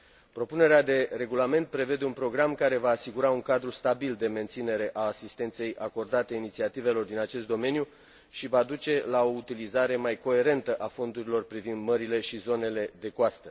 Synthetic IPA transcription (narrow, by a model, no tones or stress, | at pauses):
pɾo̞pune̞ɾead̪e̞re̞ɡulame̞nt̪̚pɾe̞ve̞d̪e̞unpɾo̞ɡɾamkaɾe̞vaːsiɡuɾauŋkad̪ɾust̪abild̪e̞me̞nt̪sine̞ɾe̞ʔaːsist̪e̞nt̪se̞jʔako̞rd̪at̪einit̪siat̪ive̞lo̞rd̪inat͡ʃe̞st̪d̪o̞me̞nju | ʃivad̪ut͡ʃe̞lao̞ut̪ilizaɾe̞majko̞e̞ɾe̞nt̪əʔafo̞nd̪uɾilo̞rpɾivind̪məɾile̞ʃizo̞ne̞le̞d̪e̞koast̪ə